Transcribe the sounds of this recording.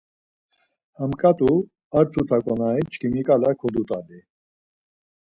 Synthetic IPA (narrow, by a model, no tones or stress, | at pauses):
hɐmkʼat̪u | ɐɾt͡s̪ʰut̪ʰakʼɔnait͡ʃkimikalakʰɔd̪ut̪ʼad̪i